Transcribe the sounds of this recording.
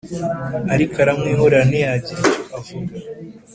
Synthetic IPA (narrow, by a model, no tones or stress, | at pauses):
aɾikaɾamŋiːɦoɾanijaɟiafud